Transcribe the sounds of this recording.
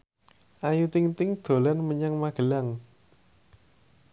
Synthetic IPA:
ʔajut̪ɪŋt̪ɪŋd̪̥o̤lanməɲaŋmaɡ̥ə̤laŋ

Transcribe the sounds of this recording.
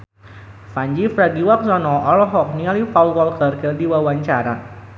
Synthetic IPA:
faɲd͡ʒifɾadiwak̚sɔnɔʔɔlɔɦɔk̚nialifalwɔlkərkəldiwawaɲt͡ʃaɾa

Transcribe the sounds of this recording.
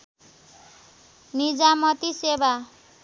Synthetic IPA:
nid͡zamʌt̪iseba

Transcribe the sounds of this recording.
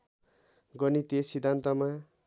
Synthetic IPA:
ɡʌnit̪esid̪ʱːant̪ʌma

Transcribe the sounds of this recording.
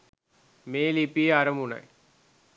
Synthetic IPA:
meːlipːiɐɾɐmunɐ̰j

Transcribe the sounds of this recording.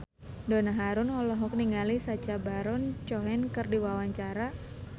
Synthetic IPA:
donaɦaɾʊnɔlɔɦɔk̚niŋɡalisat͡ʃabaɾɔnt͡ʃɔɦɛnkɨrdiwawaɲt͡ʃaɾa

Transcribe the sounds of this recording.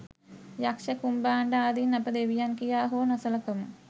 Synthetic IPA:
jakʂɐkumbaːɳɖaaːd̪inːɐpəd̪eʋijankijaːɦoːnɐsɐlɐkɐmu

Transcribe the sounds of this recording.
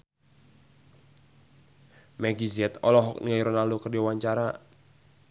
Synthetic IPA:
mɛɡiziɛt̪ɔlɔɦɔk̚niajɾɔnaldokərdiawaɲt͡ʃaɾa

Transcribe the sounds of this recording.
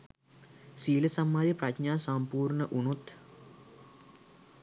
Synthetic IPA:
siːlɐsɐmːaːɾjɐprɐtɲaːsɐmpuːrɳɐʔuɳut̪

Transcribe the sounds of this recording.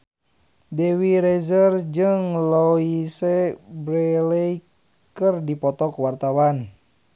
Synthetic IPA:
dɛwiɾɛzərd͡ʒɨŋlɔisɛbɾɛlɛi | kɨrdipɔt̪ɔkuwart̪awan

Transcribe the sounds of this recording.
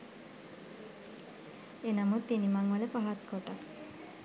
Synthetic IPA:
enamot̪ːinimaŋʋalepaɦat̪̚koʈas

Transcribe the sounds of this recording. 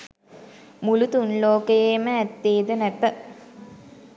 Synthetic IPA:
mulut̪unloːkəjeməæt̪ːeːd̪ənæt̪ə

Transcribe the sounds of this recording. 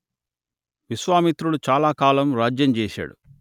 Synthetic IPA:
ʋisʋaːmit̪ɾulut͡ʃaːlaːkaːlɐmɾaːd͡ʒjɐmt͡ʃɛːʃa̰ːɽu

